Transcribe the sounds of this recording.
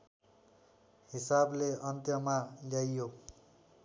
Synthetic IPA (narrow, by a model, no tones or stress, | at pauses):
hisableʌnt̪jʌmaljajjo